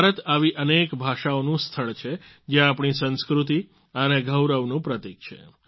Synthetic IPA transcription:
baɾət̪aʋiʔənekbʱaʃaonũst̪ʰəɭt͡ʃʰe | d͡ʒjãapɳ̃isə̃nskɾut̪̬i | əneɡʱəwɾəʋnũpɾət̪ik̚t͡ʃʰḛ

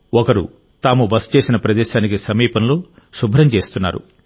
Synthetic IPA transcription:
ɔkɐɾṵ | t̪aːmubɐst͡ʃe̞ːsinɐpɾɐd̪ɛːʃaːnikisɐmiːpɐnlo̞ː | subʱɾɐmt͡ʃe̞ːst̪unːa̰ːɾṵ

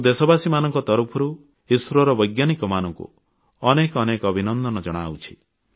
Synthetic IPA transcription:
d̪esɔbasimanɔŋkɔt̪ɔɾupʰɔɾu | isɾɔɾɔbɔjɡjanikɔmanɔŋkṵ | ɔnekɔnekɔbʱinɔnd̪ɔnɔd͡ʒɔɽ̃a̰wt͡ʃʰi̥

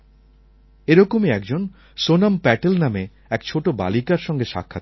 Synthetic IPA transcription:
eɾɔkomeɛkd͡ʑon | sonampɛʈelname | ɛkt͡ɕʰoʈoba̰likaɾʃɔŋɡeʃa̰kʰːat̪

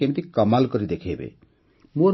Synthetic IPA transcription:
emit̪ikɔmalkɔɾid̪ekʰebḛ | mũɔ

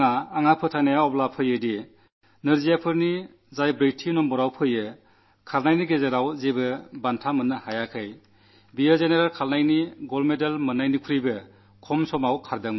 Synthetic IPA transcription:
ŋaːŋapʰɯtʰanejaɔplapʰɯjɯdi | nɯɾzijapʰɯɾni | zajbɾejtʰinɔmbɔɾawpʰɯjɯ | kʰaɾnajniɡezeɾawzebɯbantʰamɯnːɯhajakʰɯj | bijɯzeneɾalkʰalnajniɡɔlmedalmɯnːajnikʰuɾibɯ | kʰɔmsɔmawkʰaɾdɯŋm

